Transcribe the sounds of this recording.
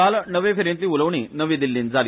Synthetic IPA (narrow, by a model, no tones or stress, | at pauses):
alnəʋẽfʰeɾẽnt̪iːuləʋɳ̃iːnəʋĩd̪ilːiːnd͡zali